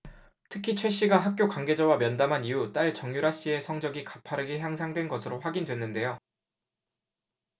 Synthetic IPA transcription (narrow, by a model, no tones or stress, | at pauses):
tʰɯkʰit͡ɕʰwe̞ɕ͈iɡaɦak̚k͈jokwaŋɡe̞d͡ʑawamjʌndamɦanijut͈aɭt͡ɕʌŋjuɾaɕ͈ie̞sʰʌŋd͡ʑʌɡikḁpʰaɾɯɡeçjaŋsʰaŋdwe̞nɡʌsʰɯɾoɸwaɡindwe̞nːɯnde̞jo